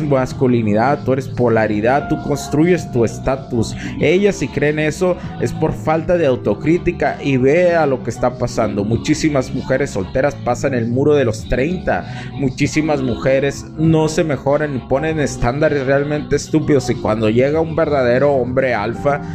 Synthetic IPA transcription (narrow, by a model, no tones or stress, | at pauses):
maskuliniðaðt̪ːue̞ɾe̞spo̞laɾiðaðt̪ːuko̞nst̪ɾuʝe̞st̪ue̞st̪at̪use̞ʝasikɾe̞ːne̞so̞e̞spo̞ɾfalt̪að̞eawt̪o̞kɾit̪ikaʔiβe̞alo̞ke̞st̪apasand̪o̞mut͡ʃisimazmuxe̞ɾe̞sːo̞lt̪e̞ɾaspasaene̞lmuɾo̞ð̞e̞lo̞st̪ɾe̞jnt̪a̰ | mut͡ʃisimazmuxe̞ɾe̞z | no̞se̞me̞xo̞ɾanːipo̞nenest̪and̪aɾe̞sre̞almẽnt̪e̞ːst̪upiðo̞sikwa̰nd̪o̞ʝe̞ɣaumbe̞ɾðað̞e̞ɾo̞ombɾe̞alfa